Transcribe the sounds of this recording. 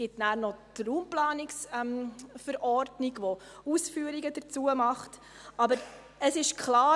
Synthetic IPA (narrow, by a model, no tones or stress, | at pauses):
ɪtnæːɾnɔtruːmplɑːniksɛmfəɾʔɔɾdniɡʋɔ | usfyːəɾiɡəd̥əɾt͡suəmɑχt | ɑbəɾ | əsɪʃkʰχlɑː